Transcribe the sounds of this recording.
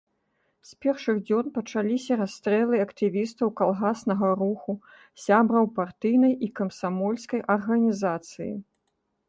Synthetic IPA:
sʲpʲɛrʂɨɣd͡zʲɔnpɐt͡ʂalʲisʲɐɾast̪ɾɛlˠɨɐkt̪ɨvʲist̪ɐwkalˠɣasnɐɣɐɾuxu | sʲabɾɐwpart̪ɨjnɐjʔikɐmsamɔlʲskɐjʔɐrɣɐnʲizat̪sɨjḭ

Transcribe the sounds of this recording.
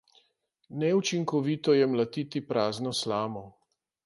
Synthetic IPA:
nɛut͡ʃiŋkɔʋiːt̪ɔjɛmlat̪it̪ipɾaːznɔslaːmɔ

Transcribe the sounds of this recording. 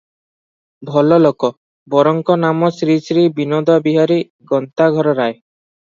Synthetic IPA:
bʱɔlɔlɔkɔ | bɔɾɔŋkɔnamɔsɾisɾibinɔd̪abiɦaɾi | ɡɔnt̪aɡʱɔɾɔɾae

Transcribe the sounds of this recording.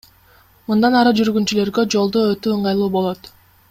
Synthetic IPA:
mund̪ɑnɑɾɯd͡ʒyɾɡynt͡ʃyle̞ɾɡød͡ʒo̞lˠd̪uøt̪øɯɴɢɑjlˠuːbo̞lˠo̞t̪

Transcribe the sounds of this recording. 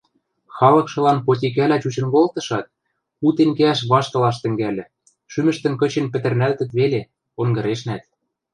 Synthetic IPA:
xɑlɤ̆kʃɤ̆lɑnpot̪̬ʲik̬ælæt͡ɕut͡ɕɤ̆nkolt̪ɤ̆ʃɑt̪̚ | ut̪eŋkeæʃβɑʃkɤ̆lɑʃt̪ɘ̆ŋɡælʲɘ̆ | ʃymɘ̆ʃt̪ɘ̆nkɤ̆t͡ɕĕnpɘ̆t̪ɘ̆rnælt̪ɘ̆t̪βele | oŋɡɤ̆ɾeʃnæt̪̚

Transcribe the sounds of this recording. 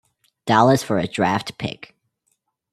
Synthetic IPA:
d̥ɑlˠəsfə˞ɨdɹæftpʰɪ̰k

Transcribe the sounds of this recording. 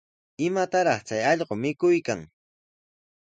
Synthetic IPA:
ɪmat̪aɾɑχt͡sajɑʎɢomɪkʊjkaŋ

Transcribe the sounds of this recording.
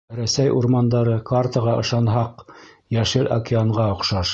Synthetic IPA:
ɾæsæjʔṵɾmɑnd̪ɑɾɤkart̪ɑʁɑʔɤ̰̆ʃɑnɦɑq | jæʃɘlʔɐ̰kʲɪaɴʁɑŏqʃɑʃ

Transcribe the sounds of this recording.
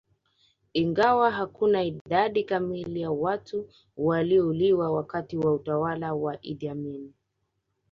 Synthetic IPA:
iŋɡawaɦakunaiɗaɗikamilijawatu | waliɔuliwawakatiwautawalawaʔḭɗiamini

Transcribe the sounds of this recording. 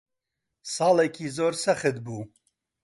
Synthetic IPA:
sɑːlɛkʰiːzoːɾsɛxɨd̪buː

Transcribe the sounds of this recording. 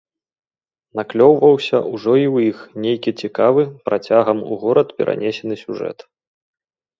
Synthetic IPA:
naklʲɔwvɐwsʲɐ̰ʔuʐɔiwjixnʲejkʲit͡sʲikavɨpɾat͡sʲaɣɐmṵɣɔɾɐt̪pʲɛ̰ɾʔa̰nʲɛsʲɛn̪ɨsʲuʐɛ̰t̪

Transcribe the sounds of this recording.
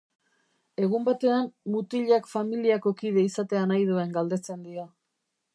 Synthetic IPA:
e̞ɣ̞umbat̪e̞anmut̪iʎakfamiliako̞kiðe̞isat̪e̞anajðue̞ŋɡald̪e̞t͡se̞nd̪ia

